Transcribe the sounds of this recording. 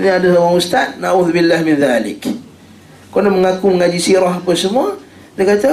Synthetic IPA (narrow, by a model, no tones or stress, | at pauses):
naadasawaŋust̪at̪̚naʔuðubilːahmɪnðalɪ̰k | konəməŋakuməŋad͡ʒisiɾaɦapəsəmua | dəkat̪a